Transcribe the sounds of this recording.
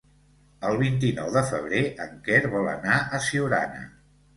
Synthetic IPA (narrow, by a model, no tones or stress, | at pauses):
əlˠβ̞int̪inɔwðəfə̰β̞ɾeʔəŋkɛɾβɔlə̰naʔəsiwɾa̰nə̰